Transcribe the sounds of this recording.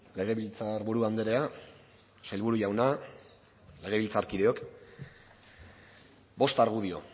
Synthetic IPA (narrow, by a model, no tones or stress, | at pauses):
le̞ɣ̞e̞βilt͡saɾβuɾuand̪eɾe̞a | sajlβuɾuʝawna | le̞ɣ̞e̞βilt͡saɾkiðe̞o̞k | bo̞st̪aɾɣuð̞io̞̰